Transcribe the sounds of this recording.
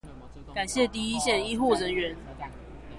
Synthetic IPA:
ka˨˩nɕjɛ˥˨t̪i˥˧i˦˥ɕjɛ˥˩ni˥xu˥˩ɻə˧˦nɥɛ˨˦n

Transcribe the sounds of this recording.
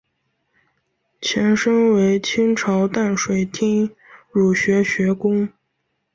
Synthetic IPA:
t͡ɕʰjɛ˧˥nʂɤ˥ŋwe˧˥ɪt͡ɕʰi˥ŋʈ͡ʂʰɑ˧˥ʊt̪a˥˩nʂwe˨˩ɪt̪ʰi˥ŋɻu˨˩ɕɥɛ˧˥ɕɥɛ˧˥kʊ˥ŋ

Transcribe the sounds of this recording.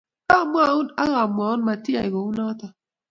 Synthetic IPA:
ka˦˨m˦a˨˦u˦na˦ɣa˨m˨a˨ʊ˦nma˨ti˦a˨i˨ɡo˨u˦nɔ˦tɔ˦

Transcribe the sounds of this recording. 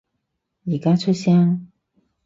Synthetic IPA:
jiː˨˩kaː˥t͡ʃʰɵ˥t̚sjaː˥ŋ

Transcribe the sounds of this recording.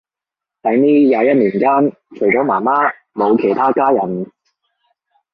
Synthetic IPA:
t̪ɐ˨˧jniː˥jaː˨˧jɐ˥t̚niː˨˩nkaː˥n | t͡ʃʰɵ˨˩ɥt͡sɔː˨˥maː˨˩maː˥ | mo˨˧wkʰe˨˩jt̪ʰaː˥kaː˥jɐ˨˩n

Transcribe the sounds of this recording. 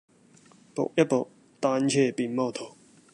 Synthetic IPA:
po̰˨k̚jɐ˥t̚po̰˨k̚ | t̪aː˧nt͡ɕʰɛː˥˨pi˨nmɔː˥˧˩t̪ʰo˨˩

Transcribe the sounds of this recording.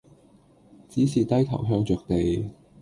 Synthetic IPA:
t͡siː˨˥siː˨t̪ɐ˥jt̪ʰɐ̰˨˩wɦœː˥ŋt͡ʃœː˨k̚t̪e˨j

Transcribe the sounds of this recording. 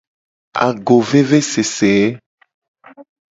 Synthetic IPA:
a̰˨ɡo˨ve˦ve˦se˨se˨e˦

